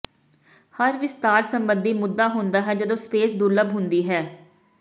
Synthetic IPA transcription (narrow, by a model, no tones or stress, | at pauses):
həɾʋɪst̪aːɾsəmbənd̪iːmʊd̪ːaːɦʊnd̪aːɦɛːd͡ʒəd̪õːspeːsd̪ʊləbɦʊnd̪iːɦɛː